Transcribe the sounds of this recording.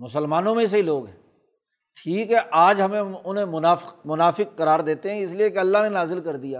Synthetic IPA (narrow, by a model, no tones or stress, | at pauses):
mʊsəlmaːnõmẽs̬eɦiloːɡɦɛ̃ː | ʈʰiːkɦɛʔaːd͡ʒɦɐmẽʊnɦẽmʊnaːfɪmʊnaːfɪq̚ːɐɾaːɾd̪eːt̪eɦɛ̃ɪsliekeɐlːaɦnenaːzɪlkɐɾd̪ijaː